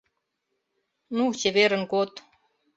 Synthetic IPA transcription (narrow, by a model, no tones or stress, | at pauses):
nut͡ɕeβeɾə̆nɡot̪